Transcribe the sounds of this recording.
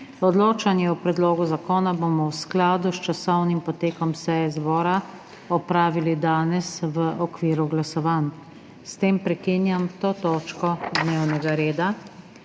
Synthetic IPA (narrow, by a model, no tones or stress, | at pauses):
ɔd̪loːt͡ʃanjɛɔpɾɛd̪loːɡuzakoːnabomɔwsklaːd̪ust͡ʃasɔwnimpɔt̪eːkɔmsɛjɛzbɔːɾa | ɔpɾaːʋilid̪aːnɛsʋəʔɔkʋiːɾuɡlasɔʋaːn | st̪eːmpɾɛkinjamt̪oːt̪oːt͡ʃkɔd̪newnɛɡaɾeːd̪a